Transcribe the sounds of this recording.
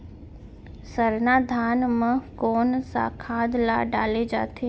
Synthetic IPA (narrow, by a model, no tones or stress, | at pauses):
səɾnaːd̪ʱaːnmə̃koːnsa̰kʰaːd̪la̰ːɖa̰ːled͡ʒa̰ːt̪ʰeː